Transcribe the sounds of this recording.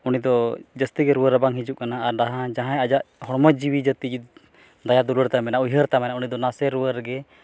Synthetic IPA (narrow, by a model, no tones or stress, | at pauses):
unid̪ɔd͡ʒəst̪iɡɛɾuəɾəbaŋɦid͡ʒuʔkanaːɾɖaɦãd͡ʒaɦãjad͡ʒaʔhɔɽməd͡ʒiwid͡ʒət̪id͡ʒi | d̪ajad̪uləɾt̪amɛnaʔujɦəɾt̪amɛnaunid̪ɔnasɛɾuəɾɡɛ